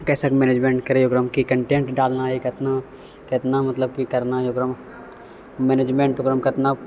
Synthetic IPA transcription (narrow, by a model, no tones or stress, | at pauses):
kɛːsakmɛːneːd͡ʒmẽːɳʈkɐɾejoɡɾəmkikɐ̃ɳʈẽːɳʈɖaːlnaekɐt̪na | kɪt̪namɐt̪ləb̚kikɐɾnajoɡɾəm | meːneːd͡ʒmẽːɳʈoːɡɾəmkɪt̪na